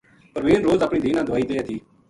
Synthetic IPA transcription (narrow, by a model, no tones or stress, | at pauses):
pəɾʋeːnɾoːzapɳiːd̪iːnãːd̪ʊʋaːiːd̪əjaːt̪ʰiː